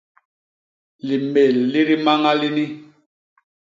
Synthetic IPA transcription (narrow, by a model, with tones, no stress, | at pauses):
li˨me˨lːi˦ɾi˦ma˦ŋa˦li˦ni˦